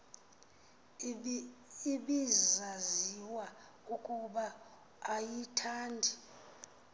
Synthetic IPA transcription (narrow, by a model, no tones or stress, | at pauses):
iɓizzaziwa | ukʼuɓaː | jitʰaːndʱi